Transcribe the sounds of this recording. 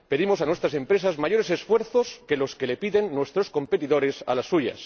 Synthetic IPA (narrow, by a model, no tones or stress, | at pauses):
pe̞ðimo̞sanwe̞st̪ɾasẽ̞mpɾe̞sazmaʝo̞ɾe̞se̞sfwe̞ɾθo̞ske̞lo̞ske̞le̞piðe̞nːwe̞st̪ɾo̞skõ̞mpet̪iðo̞ɾe̞sa̰lasːuʝa̰s